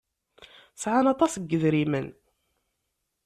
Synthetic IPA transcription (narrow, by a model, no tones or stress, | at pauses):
sʕanɑt̪ˤɑsɡːəðɾimən